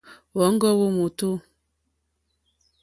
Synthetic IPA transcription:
wɔ˨˦ŋ̩˦ɡɔ˦wo˦mo˨to˦

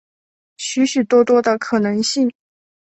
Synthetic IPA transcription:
ɕy˧˥ɕy˨˩t̪wɔ˥t̪wɔ˥d̪ə˨kʰɤ˨˩nɤ˧˥ŋɕi˥˩ŋ

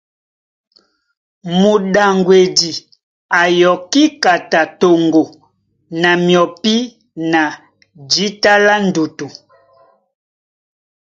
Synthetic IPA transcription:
mu˨ɗa˨ŋɡwe˨di˨ | a˨jɔ˨ki˦ka˨ta˨to˨ŋɡo˨ | na˨mjɔ˨pi˦ | na˨ | d͡ʒi˨˦ta˦la˦n˦du˨tu˨

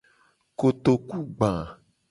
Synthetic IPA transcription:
ko˨t̪o˨ku˦ɡ͡bã˨

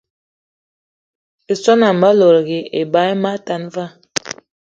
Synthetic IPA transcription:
e˨sɔ˦na˨m̩˨ba˦lo˨ɾɣi˨e˨ba˨˦ma˦ta˨nva˦

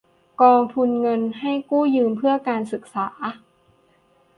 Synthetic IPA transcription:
kɔː˧ŋt̪ʰu˧nŋɤ˧nha˥˩jkuː˥˩jɯː˧mpʰɯ˥˩ɐkaː˧nsɯ˨˩k̚saː˩˦

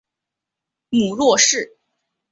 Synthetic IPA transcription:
mu˨˩lwɔ˥˧ʂɻ̩˥˩

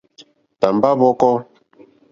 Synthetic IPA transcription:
ta˨mba˦vɔ˦kɔ˦

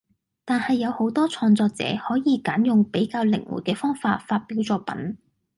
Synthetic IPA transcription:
t̪aː˨nhɐ˨jːɐ˨˧who˨˥wt̪ɔː˥t͡sʰɔː˧ŋt͡sɔː˧k̚t͡sɛ̰ː˨˥hɔː˨˥jiː˨˧kaː˨˥njʊ˨ŋpe˨˥jkaː˧wlɪ˨˩ŋwṵ˨˩kɛː˧fɔː˥ŋfaː˧t̚faː˧t̚piː˨˥wt͡sɔː˧˥pɐ̰˨˥n

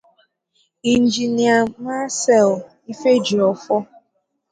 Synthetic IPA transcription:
i˨n̩˨d͡ʒi˨ni˦a˨ma˦sɛ˦˨l | i˦fe˦d͡ʒi˨ɔ˨fɔ˦

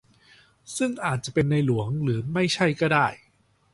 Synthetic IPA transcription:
sɯ˥˩ŋʔaː˨˩t̪̚t͡ɕa˨˩pe˧nːa˧jlu˩˦əŋɾɯː˩˦ma˥˩jt͡ɕʰa˥˩jkɔː˥˩daː˥˩j

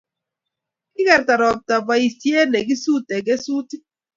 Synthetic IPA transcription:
kɪ˦kɛ˨ɾta˨ɾɔ˨b̚ta˨ba˨i˨sje˦ne˨ɡi˦su˦te˨ɡe˦su˦ti˦

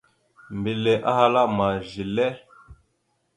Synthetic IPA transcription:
mbi˨le˨ʔa˦ha˦la˦ma˨ʒi˨lɛ˦

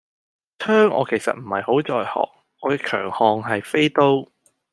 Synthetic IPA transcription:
tʰœː˥ŋʔɔ̰ː˨˧kʰe˨˩jsɐ̰˨t̚m̩˨˩hɐ̰˨jho˨˥wt͡sɔː˨jhɔ̰ː˨k̚ | ɔː˨˧kɛː˧kʰœ̰ː˨˩ŋhɔː˧ŋɦɐ˨jfe˥jt̪o˥w

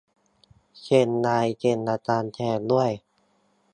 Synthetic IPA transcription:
ke˧˩nːaː˧jke˧˩nʔaː˧t̪aː˧nt̪ʰɛː˧˩k̚lu˥˩əj

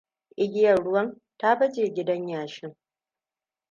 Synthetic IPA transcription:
ʔɪ˦ɡʲɪ˦jɐ˨rɽʊ˦wɐ˦n | ta˦bɐ˦d͡ʒeː˨ɡʲɪ˦dɐ˦ɲjaː˨ʃɪ˦ŋ

